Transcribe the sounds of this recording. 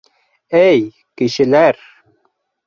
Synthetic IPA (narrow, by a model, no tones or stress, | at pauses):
ej | kiʃilæɾ